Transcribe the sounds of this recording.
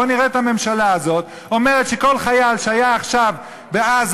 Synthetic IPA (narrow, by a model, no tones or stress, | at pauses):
oniʁetame̞mʃalaazo̞t̪ | o̞meʁet̪ʃeko̞lχajalʃeajaːχʃav | beaz